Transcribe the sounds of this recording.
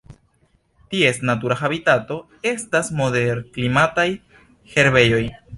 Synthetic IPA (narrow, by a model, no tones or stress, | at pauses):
tie̞stnatuɾaxabitato̞ | e̞stasmo̞de̞ɾklimataj | he̞ɾbe̞jo̞j